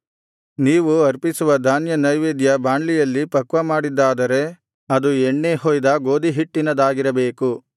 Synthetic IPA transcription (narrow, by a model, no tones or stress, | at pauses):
niːʋuɐɾpisuʋɐd̪ʱaːnjɐnɐjʋeːd̪jɐbaːɳɖlijɐlːipɐkʋɐmaːɽid̪ːaːd̪ɐɾe̞ | ɐd̪ueɳːeɦoːjd̪ɐɡo̞ːd̪iɦiʈːinɐd̪aːɡiɾɐbe̞ːku